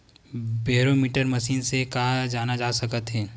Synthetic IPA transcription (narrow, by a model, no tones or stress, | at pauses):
beːɦɾomiːʈəɾmɐʃiːnsekaːd͡ʒaːnad͡ʒaːsɐkət̪ɦɛː